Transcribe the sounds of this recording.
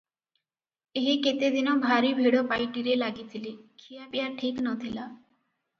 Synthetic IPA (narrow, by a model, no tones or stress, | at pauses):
eɦiket̪ed̪inɔbʱaɾibʱeɽopajʈiɾelaɡit̪ʰilikʰijapijaʈʰiknɔt̪ʰila